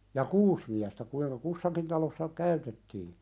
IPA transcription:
jɑ kuːs miæstæ kuiŋkɑ kusːɑkin tɑlosːɑ kæytetːiː

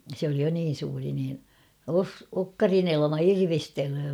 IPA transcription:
sĕ oli jo niːn̞ suːri niːn os okːɑrin elɑ̆mɑ irʋisteløː

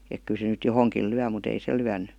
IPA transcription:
ek ky se nyt johoŋkiːl̆ lyæ mut ei se lyænˑy

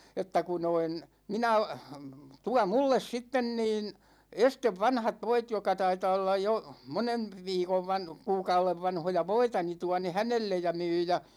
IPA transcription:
etːæ ku noin minæ tuɑ mulːes sitːen niːn esteʋ ʋɑnhɑt ʋoit jokˑɑ tɑitɑː olːɑj jo monen̞ ʋiːkoʋ ʋɑn kuːkɑuleʋ ʋɑnhojɑ ʋoitɑ ni tuɑ ne hænelːej jɑ myː jɑ

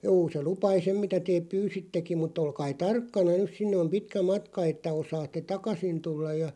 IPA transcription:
juː se lupɑi sem mitæ teːp̆ pyːsitːekim̆ mut olkɑi tɑrkːɑnɑ nys sinːe om pitkæ mɑtkɑ etːæ osɑːtːe tɑkɑsin tulːɑj jɑ

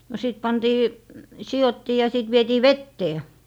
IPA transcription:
no siˑt pɑntiː sijotːiː jɑ siˑt ʋietiː ʋetːeː

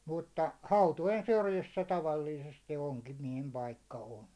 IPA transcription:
mutːɑ hɑutojen syrjisːæ tɑʋɑlːiːsesti oŋkimiɛhem pɑikːɑ on

